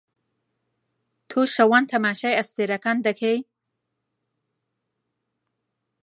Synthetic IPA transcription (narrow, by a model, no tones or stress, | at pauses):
t̪ʰoʃawant̪ʰamaʃajast̪eɾakand̪akʰej